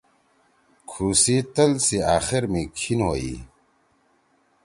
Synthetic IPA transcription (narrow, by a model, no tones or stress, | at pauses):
kʰuːsit̪ɐlsiaːxiɾmikʰinɦoːḭ